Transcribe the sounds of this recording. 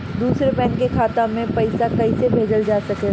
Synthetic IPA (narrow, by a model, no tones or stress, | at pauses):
d̪uːsɾepɛ̃ːŋkekʰaːt̪ãmẽpɐɪsakɐisebʱeːd͡ʒəld͡ʒaːsɐke